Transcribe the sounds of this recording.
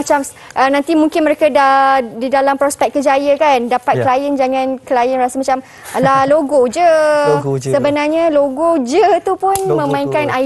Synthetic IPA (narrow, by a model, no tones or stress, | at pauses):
at͡ʃam | ʔənãnt̪imũŋkɪnməɾekadadidalampɾɔspɛk̚kːəd͡ʒajəkandapat̪̚kəlajənd͡ʒaŋãnkəlajənrasəmat͡ʃam | laloɡod͡ʒə | səbənarɲaloɡod͡ʒət̪upʊnmə̃mãiŋkana